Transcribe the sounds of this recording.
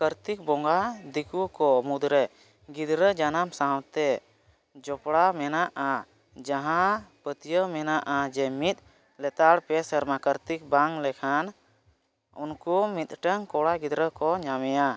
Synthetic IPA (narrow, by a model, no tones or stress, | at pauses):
kəɾt̪ik̚bɔŋɡad̪ikukɔmud̪ɾɛ | ɡid̪ɾəd͡ʒanamsawt̪ɛ | d͡ʒɔpɽamɛnaʔa | d͡ʒaɦãpət̪ijəmɛnaʔad͡ʒɛmit̪̚ | lɛt̪aɽpɛsəɾmakəɾt̪ik̚baŋlɛkʰan | ṵnkumit̪̚ʈəŋkɔɽaɡid̪ɾəkɔɲamɛja